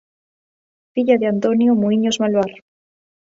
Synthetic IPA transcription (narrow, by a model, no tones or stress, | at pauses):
fiʎaðeant̪onjomuiɲozmalwaɾ